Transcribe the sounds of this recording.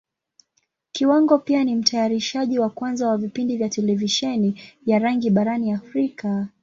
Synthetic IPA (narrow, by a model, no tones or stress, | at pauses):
kiwaŋɡɔpianim̩tʰajaɾiʃaʄiwakwanzawavipindivjatɛlɛviʃɛnivjaɾaŋɡiɓaɾaniafɾika